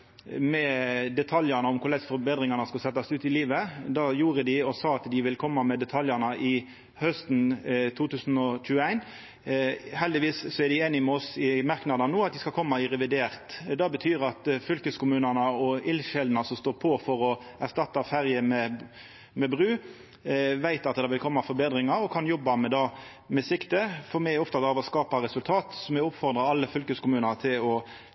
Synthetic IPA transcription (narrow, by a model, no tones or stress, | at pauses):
mɛd̪ɛt̪ʰɑljɑnəɔmkʰʊɾlɛt̪sfɔɾbeːd̪ʁɪŋɑnəskɑlsɛt̪ːɑsʉːt̪ɪliːʋəd̪ɑːjuːɾəd̪ɪɔsɑːɑt̪d̪ɪʋɪlkʰɔmːɑmɛd̪ɛt̪ʰɑljɑnɑʔɪ | hœst̪n̩t̪ʰuːt̪ʉːsn̩ɔc͡çʉːəæɪn | hɛld̪ɪʋiːssɔæʁd̪ɪeːnɪmɛɔsɪmɑɾknɑd̪ɑnnuːɑt̪̚d̪ɪskɑkʰɔmːɑɪʁɛʋɪd̪eːʁt̪d̪ɑbət̪ʰyːɾɑt̪fʏlkəskʊmʉːnənəɔɪlʃɛld̪nəsɔmst̪oːɾpʰɔfɔɾɔæʁst̪ɑt̪ːɑfæʁjəmɛ | mɛbʁʉː | ʋæɪt̪ɑt̪d̪ɑʋɪlkʰɔmːɑfɔɾbeːd̪ʁɪŋɑɾɔkʰɑnjɔbːɑmɛd̪ɑ | mɛsɪkt̪əfɔʁmɛɔft̪ɑd̪ɑːʋɔskɑːpɑɾɛsʉlt̪ʰɑːt̪sɔmɛʊpfɔʁd̪ʁɑɑlːəfʏlkəskʊmʉːnət̪ʰɪlɔ